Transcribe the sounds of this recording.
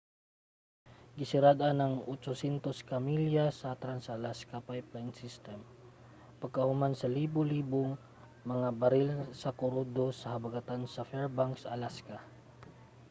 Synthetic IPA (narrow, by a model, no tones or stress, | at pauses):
ɡɪsɪɾad̪anɐŋʔot͡ʃosɛnt̪oskɐmiljasɐt̪ɾansɐlaskapajplajnsist̪ɛm | pɐɡ̚kɐhʊmansɐliːboliːboŋ | mɐŋabɐɾɪlsɐkoɾod̪osɐhɐbaɡat̪ansɐfɛɹbaŋksɐlaska